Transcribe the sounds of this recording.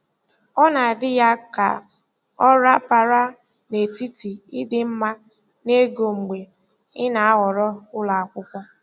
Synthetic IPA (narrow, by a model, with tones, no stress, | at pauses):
ɔ˦na˨a˨dɪ˦ja˦ka̰˨ | ɔ˦ɾa˦pa˨ɾa˦ | ne˨ti˦ti˨ɪ˦dɪ˦m̩˦ma˦ | ne˦ɡo˨ŋ͡m̩˨ɡ͡bʷe˨ | ɪ˦na˨a˦ɦɔ˨ɾɔ˦ʊ˦la˨a˨kʷʊ˦kʷɔ˦